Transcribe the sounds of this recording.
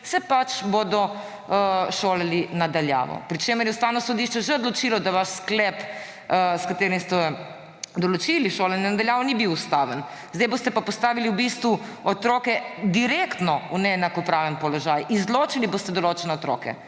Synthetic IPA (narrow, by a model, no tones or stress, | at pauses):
sɛpat͡ʃbod̪ɔ | ʃoːlalinad̪alja̰ːʋɔ̰pɾit͡ʃeməɾjɛust̪aːwnɔsɔd̪iʃt͡ʃɛʒɛɔd̪lɔt͡ʃilɔd̪aʋaʃsklɛp | skat̪eːɾimst̪ɛ | d̪ɔlɔt͡ʃiliʃoːlanɛnad̪aljaːʋɔnibiwust̪aʋən | zd̪ajbost̪ɛpapɔst̪aːʋiliwbist̪ʋu | ɔt̪ɾoːkɛd̪iɾekt̪nɔunɛnakɔpɾaʋənpɔlɔʒaːjizloːt͡ʃilibost̪ɛd̪ɔloːt͡ʃɛnɛɔt̪ɾoːkɛ̰